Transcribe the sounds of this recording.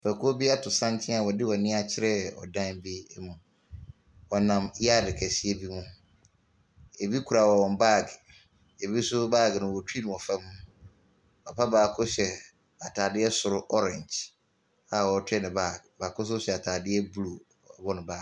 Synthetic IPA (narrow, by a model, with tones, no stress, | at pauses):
pʰæ˨kʰːbi˦a˦tʰʊ˨sã˦ntʰɪ̃˦a˨wɔ˨dɪ˦wɔ˨nɪ̃˦a˨t͡ɕʰɪ˦ɾɛ˦ɔ̰˨dã˦nbi˦mũ˨ | wɔ˨nã˨mja˦˨dɪ˨kʰɛ˨si˦e˦bi˦mũ˦ | e˨bi˦kʰu˨ɾa˨wɔ˨wɔ̃˨m˨ba˦˨ɡ | e˨bi˦sʊ˦baː˦˨ɡnʊ̃˨wɔ˨tʰi˦nʊ̃˨ɔ˨fɛ̃˦m˦ | ɔ˨pʰa˦baː˨kʰʊ˦ɕɛ˨ | a˨tʰaː˨dɪ˦ɛ˦sʊ˨ɾʊ˦ʔɔ˦ɾɛ̃˨ɲd͡ʒ | a˦˨wɔ˨˦tʰᶣɛ˦˨nʊ̃˨baː˦˨ɡbaː˨kʰʊ˦s̬ʊ˦ɕᶣɛ˨a˨tʰaː˨dɪ˦ɛ˦bu˦lu˨ | ɔ˨bɔ˦nʊ̃˨baː˦˨